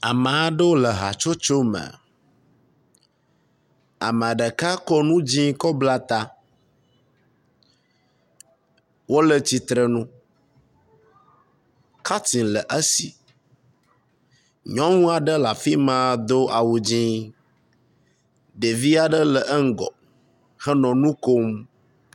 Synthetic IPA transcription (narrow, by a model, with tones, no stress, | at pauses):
a˨mã˨˦ɖə˦wo˦lə˨ɦa̰˨t͡ʃo˦t͡ʃo˦mə̰˨ | a̰˨mə̃˨a˨ɖə˨ka˦kɔ˦nũ˦d͡ʑĩ˦kɔ˦bla˦t̪a˦ | wo˦lə˨t͡ɕi˨t̪ɾə˨nũ˦ | ka˦ti˨lə˨ʔə˦si˦ | ɲɔ̃˦ŋũ˦a˨ɖə˦la˨fi˦mã˦˨d̪o˦ʔa˨wu˨d͡ʑĩ˦ | ɖe˨vi˦a˨ɖə˦lə˨ʔə˦ŋ̩˦ɡɔ̰˨ | hə˦nɔ̃˨nũ˦ko˦m